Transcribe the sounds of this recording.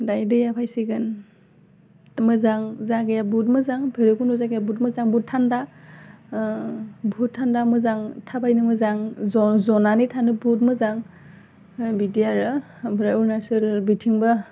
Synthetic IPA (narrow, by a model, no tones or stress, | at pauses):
dajdɯjapʰajsiɡɯn | mɯzaŋzaɡɯjabut̚mɯzaŋbeɾɯkunɔzaɡjabutmɯzaŋbutʰːanda | bʱut̚tʰːandamɯzaŋtʰabajnɯmɯzaŋzɔzɔnanitʰanɯbut̚mɯzaŋ | bidijaɾɯ | bɯɾaunasɯlbitʰiŋbɯ